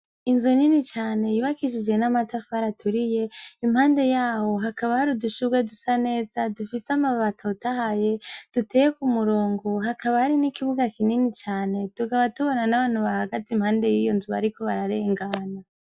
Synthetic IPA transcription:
inzuninit͡ʃaːne̞juβakiʃid͡ʒe̞namatafaɾatʰuɾije̞imhaːnde̞jaːho̞ɦakaβahaɾiduʃuɡwedusane̞ːzadufisamaβatʰaotahaje̞d̥utʰejekumuɾoːŋɡo̞ɦakaβahaɾinikiβuɡakininit͡ʃaːne̞tuɡaβatuβo̞nanaβaːn̥huβahaɡatimhaːnde̞jijonzuβa̰ɾiko̞βaɾaɾeŋɡaːna

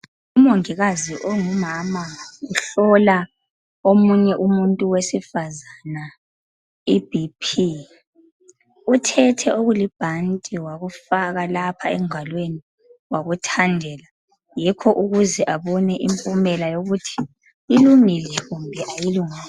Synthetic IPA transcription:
umoŋiɣaziʔɔŋumamauɬɔla | omuɲɛʔumuntʼuwesifazana | ib̥ʱipʰi | utʰɛtʰɛoɣulib̥ʱantʼiwaɣufaɣalapʰaɛŋalweni | waɣutʰandʱɛːla | jikʰɔʔuɣuzɛʔaβɔnɛʔimpʼumɛlajoɣutʰi̥ | iluŋilɛɣumbʱɛʔajiluŋal

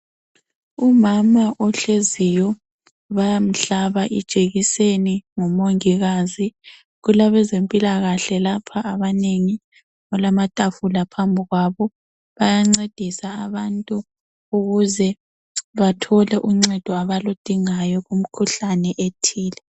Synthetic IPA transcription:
umamaʔɔɬezijɔ | βajam̩ɬaβaʔḭd̥ʒ̥ʱeɣiseniŋɔmoŋiɣazi | ɣulaβɛzempʼilaɣaɬɛlapʰaʔːβaneŋi | ɣɔlamatʼafulapʰambʱiɣwaβɔ | βajaŋ͡ǀed̥ʱisaaβantʼu | uɣuzɛ | βatʰɔlɛʔuŋ͡ǀɛd̥ʱɔaβalod̥ʱiŋajɔɣum̩kʰuɬanɛʔetʰiːlɛ

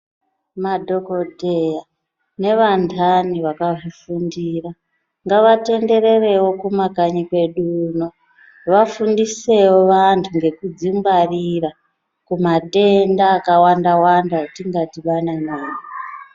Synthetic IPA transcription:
madʱo̞kodʱeja | ne̞ʋantʰaniʋakaʐifundira | ŋɡaʋate̞nde̞re̞re̞wo̞kumakaɲikwe̞ɗuno | ʋafundise̞woʋantʰuŋɡe̞kud͡zimɡarira | kumate̞ndaːkawandawandatiŋɡatiʋananaːni

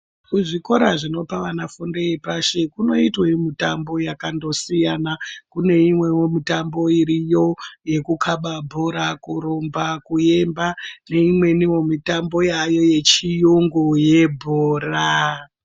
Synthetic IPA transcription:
kuʐiko̞ɾaʐino̞paʋanafundejepaʃe̞kuno̞itwemitambo̞jakando̞sijanakune̞imwe̞womitambo̞iɾijo̞je̞kukʰaɓabʱoɾakuɾombakuje̞mbane̞imwe̞niwo̞mitambo̞jajo̞je̞t͡ʃijuŋɡoje̞bʱoːra

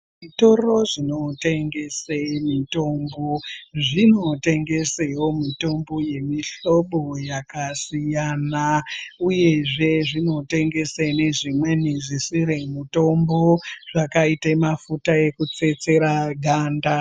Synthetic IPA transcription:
ʐito̞ro̞ʐino̞te̞ŋɡe̞semito̞mboʐino̞teŋɡe̞sewomito̞mbo̞je̞miɬo̞ɓo̞jakasijanauje̞ʐe̞ʐino̞te̞ŋɡe̞sene̞ʐimwe̞niʐisiɾemuto̞mbo̞ʐ̥akaitaemafutae̞kut͡se̞t͡se̞ɾaɡʱaːnda

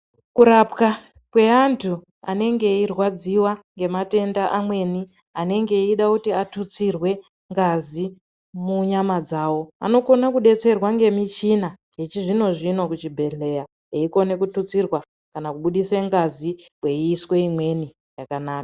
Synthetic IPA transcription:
kuɾapka | kwe̞antʰu | a̰ne̞ŋɡe̞irwad͡ziwaŋɡe̞mate̞ndaʔamwe̞ni | ane̞ŋɡe̞iɗakutiatut͡sirwe̞ | ŋɡazi | muɲamad͡zaːwo̞a̰no̞ko̞nakuɗe̞t͡se̞rwaŋɡe̞mit͡ʃina | jet͡ʃiʐino̞ʐino̞kut͡ʃibʱe̞ɮe̞ja | eiko̞ne̞kutut͡sirwa | kanakuɓuɗiseŋɡaziwe̞iːswe̞imwe̞ni | jakanaːkḁ

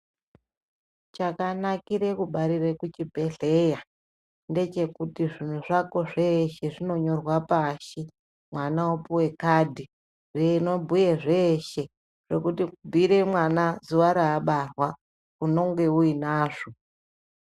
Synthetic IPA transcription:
t͡ʃakanakiɾe̞kuɓaɾirekut͡ʃibʱe̞ɮe̞ja | nde̞t͡ʃe̞kutiʐin̤uʐako̞ʐeʃe̞ʐino̞ɲo̞rwapaʃi | mwanaopuwe̞kadʱi | reno̞bʱujeʐe̞ːʃe̞ | ʐ̥e̞kutiubʱiɾe̞mwanazuʋaɾaːɓarwa | uno̞ŋɡe̞uinaːʐo

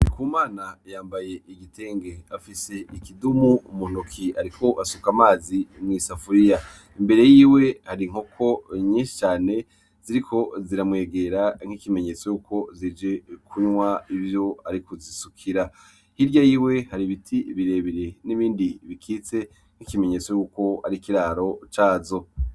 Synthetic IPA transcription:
ikuːmaːnajaːmbaje̞ʔiɡitʰe̞ːŋɡe̞afise̞ikidumuumun̥ukʰiaɾikʰo̞ʔasukamaːzimŋiːsafuɾija | imbe̞ɾe̞jiːwe̞haɾiŋ̥hokʰo̞ɲiːʃi̥t͡ʃaːne̞ | z̥iɾikʰo̞ziɾamŋe̞ːɡe̞ɾaŋ̥hikime̞ɲe̞t͡so̞juːko̞zid͡ʒe̞kʰuɲwaivjo̞aɾikuzisukʰiɾa | hiɾɟajiːwe̞haɾiβitʰiβiɾe̞βiɾe̞niβiːndiβikʰiːt͡se̞ | ŋ̥ikime̞ɲe̞t͡so̞juːko̞a̰ɾikiɾaːɾo̞t͡ʃaːzo̞

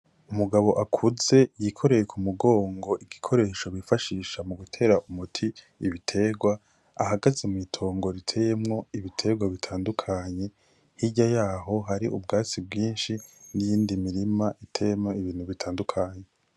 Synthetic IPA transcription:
umuɡaβo̞ʔakʰuze̞jikʰo̞ɾe̞jekʰumuɡo̞ːŋɡo̞ʔiɡikʰo̞ɾe̞ːʃo̞βifaʃiːʃamuɡutʰe̞ːɾaʔumutʰiː | βitʰe̞ɡwa | a̰ɦaɡazemuitʰo̞ːŋɡo̞ɾitʰe̞je̞mŋo̞iβitʰe̞ːɡwaβitʰaːndukʰaɲe̞ | hiɟajaːɦo̞ɦaɾiʔubɡaːt͡sib̚ɡiːnʃinijiːndimiɾimaʔitʰe̞jemŋoiβiːn̥huβitʰaːndukʰaɲe̞

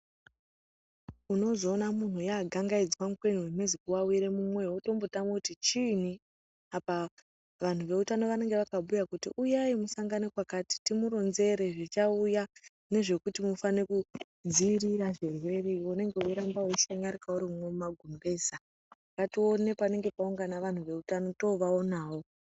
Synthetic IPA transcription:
uno̞zo̞ːnamun̤ujaːɡʱaŋɡaid͡zwamukwe̞nuwemwezikuwawiɾe̞mumwe̞woto̞mbotamokutit͡ʃin̤i | apa | ʋan̤uʋe̞utano̞ʋane̞ŋɡe̞ʋakaɓujakutiʔujaimusaŋɡanekwakaːti̥timuɾo̞nze̞ɾe̞ʐit͡ʃauja | ne̞ʐe̞kutimufaneku | d͡ziriɾaʐerwe̞reone̞ŋɡe̞uɾambaweiʃaɲaɾikauɾimumwemumaɡʱumɡe̞ːza | akatio̞ne̞pane̞ŋɡe̞pauŋɡanaʋan̤uʋe̞utano̞to̞ʋao̞naːwo̞

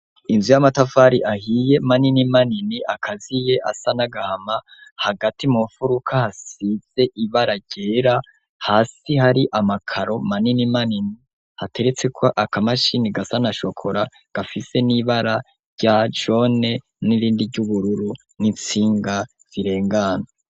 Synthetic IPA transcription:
inzujamatafaɾiʔahije̞maninimaniniʔakʰazije̞ʔa̰sanaɡahamahaɡatʰimufuɾukʰahasiz̥e̞ʔiβaɾaɾɟ̥e̞ːɾa | haːsihaɾiʔamakʰaɾo̞maninimanini | hate̞ɾe̞t͡se̞kʰoʔakamaʃiniɡasanaʃo̞kʰo̞ɾa | ɡ̥afise̞niβaɾa | ɾɟad͡ʒo̞ne̞ | niɾiːndiɟuβuɾuɾu | nit͡siːŋɡa | z̥iɾe̞ːŋɡano

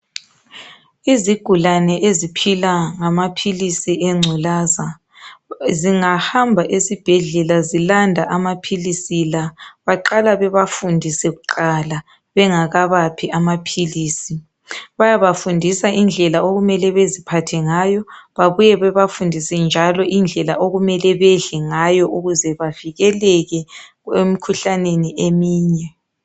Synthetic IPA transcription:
iziɡ̥ʱulanɛʔezipʰilaŋamapʰilisiʔɛŋ͡ǀʱulaːza | ziŋahambʱaʔezib̥ʱɛɮɛlazilandʱaʔamapʰilisilaβaǃalaβɛβafundʱisɛɣuǃala | βɛŋaɣaβapʰiamapʰiliːsi | βajaβafundʱisaʔind͡ɮʱɛlaoɣumɛlɛβezipʰatʰɛŋajɔβaβujɛβɛβafundʱisɛnd͡ʒʱalɔʔind͡ɮʱɛlaʔoɣumɛlɛβɛɮɛŋajɔʔuɣuzɛβaviɣɛlɛɣɛ | ɣwemikʰuɬaneniʔemiːɲɛ

